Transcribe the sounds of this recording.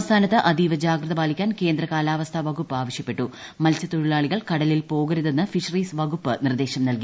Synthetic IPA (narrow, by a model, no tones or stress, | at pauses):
st̪ʰaːnɐt̪ːɨʔɐd̪iʋɐd͡ʑaːɡɾɨðɐbaːlikʲːaːnke̞ːnd̪rɐkaːlaːʋɐst̪ʰɐʋɐɡupːaːʋɐɕjɐpːe̞ʈːu | mɐlt͡ɕɐt̪uɻiɭaːɭiɣɐɭkɐɽɐlilpo̞ːɣɐɾuðenːɨfiʂɐriːsʋɐɡupːɨnird̪e̞ːɕɐmnɐlki